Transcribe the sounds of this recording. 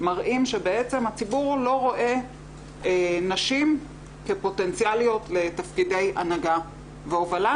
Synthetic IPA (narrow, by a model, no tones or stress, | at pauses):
maʁʔimʃebeet͡se̞mhat͡sibuʁlo̞ʁo̞ʔe̞ | enaʃim | ke̞po̞tent͡sjalijo̞tle̞tafkide̞ja̰naɡa | veovala